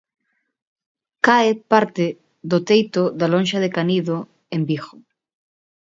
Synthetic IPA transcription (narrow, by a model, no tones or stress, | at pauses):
kaɪpaɾt̪e | ðot̪ejt̪oðalõnʲʃaðekaniðo | embixo